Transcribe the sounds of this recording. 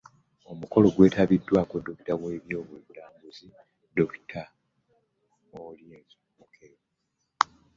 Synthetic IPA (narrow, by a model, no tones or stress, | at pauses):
o̞muko̞lo̞ɡwe̞ːtaβidːwaːko̞do̞ki̥taβweːβjo̞ːβweβulaːmbuzi | do̞ki̥tʰa | olje | mukʰel